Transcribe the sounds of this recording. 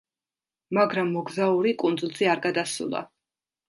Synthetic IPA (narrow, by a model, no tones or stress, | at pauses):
maɡɾamːɔɡzauɾikʼund̪zulˠziaɾɡad̪asṵlˠa̰